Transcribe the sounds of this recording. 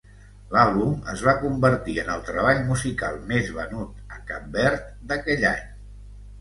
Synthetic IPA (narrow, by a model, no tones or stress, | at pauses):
lalˠβumə̰zβ̞akumbəɾt̪iənəlˠt̪ɾəβ̞aʎmuzika̰lˠmezβənut̪əkap̚bɛɾt̪̚d̪əkɛʎa̰ɲ